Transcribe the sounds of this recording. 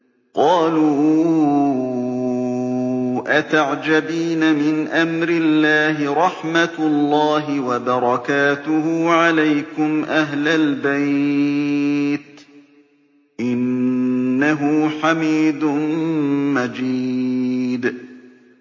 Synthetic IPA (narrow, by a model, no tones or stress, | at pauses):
qɑːluː | ʔat̪aʕd͡ʒabiːnamɪnʔamɾɪlːaːɦɪɾˤɑħmat̪lˤːɑːɦɪwabɑɾˤɑkaːt̪ʊhʊʕalajkʊmʔaɦlalbaj | t̪ | ʔɪnː | aɦʊħamiːd̪ʊ | mad͡ʒi | d̪